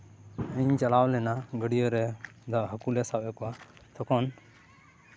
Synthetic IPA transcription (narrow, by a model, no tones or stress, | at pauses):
əɲt͡ʃalawlɛnaɡəɽijəɾɛd̪aʔɦəkulɛsabɛkɔwat̪ʰɔkɔn